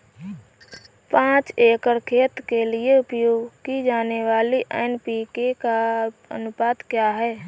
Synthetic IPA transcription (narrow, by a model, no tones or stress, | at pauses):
pãːt͡ʃeːkəɾkʰeːt̪kelieʊpjoːɡkid͡ʒaːneʋaːliʔeːɪnpikekaə̰nʊpaːd̪kjaːɦɛː